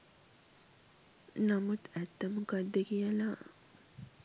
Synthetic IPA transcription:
namut̪æt̪ːɐmukad̪ːekijəla

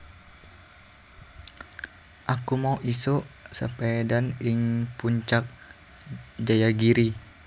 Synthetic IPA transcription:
ʔakumauʔisoʔsəpedanɪŋpuɲt͡ʃak̚ | d͡ʒajaɡiɾi

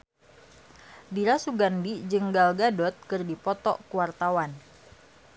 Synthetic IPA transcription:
diɾasuɡandid͡ʒɨŋɡalɡadɔt̪̚kɨrdipɔt̪ɔ̰kuwart̪awan

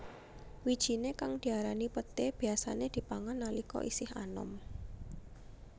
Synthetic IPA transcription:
wid̥ʒ̥i̤nekaŋd̪̥i̤aɾanipət̪eb̥i̤asa̰ned̪̥i̤paŋanːalikɔ̰ʔisɪha̰nɔ̰m

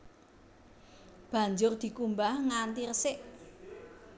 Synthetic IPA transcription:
b̥ä̤ɲd͡ʒʊrd̪̥i̤kumbahŋant̪irəsɪʔ

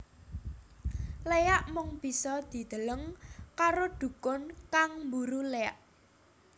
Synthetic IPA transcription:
leaʔmʊŋb̥i̤sɔd̪̥i̤d̪̥ə̤ləŋkaɾoɖ̪̥ṳkʊnkaŋmbuɾulejaʔ

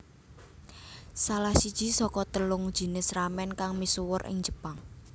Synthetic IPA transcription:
salahsid̥ʒ̥i̤sɔkɔt̪əlʊŋd̥ʒ̥i̤nɪsramɛnkaŋmisuwʊrʔɪ̰ŋd͡ʒ̥ə̤paŋ

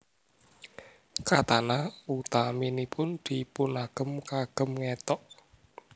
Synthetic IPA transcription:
kat̪anaut̪aminipʰʊnd̪̥ipʊnaɡ̥ə̤mkaɡ̥ə̤mŋet̪ɔʔ

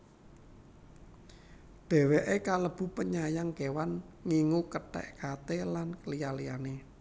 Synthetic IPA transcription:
d̪̥e̤weʔekaləb̥ṳpəɲajaŋkewan | ŋiŋukəʈɛ̰ʔkat̪elanklijalijane

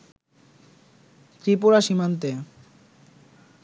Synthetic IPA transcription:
t̪ɾipuɾaʃimant̪̬e

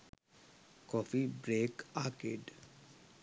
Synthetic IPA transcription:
kɔːfibɾeːkaːkḛːɖ

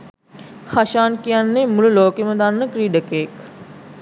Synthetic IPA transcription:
xaʃaːnkijanːemulloːkeməd̪aːnːəkɾiːɖəkeːk

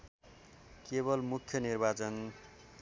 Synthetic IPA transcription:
kebʌlmukʰjʌnirbat͡sʌn

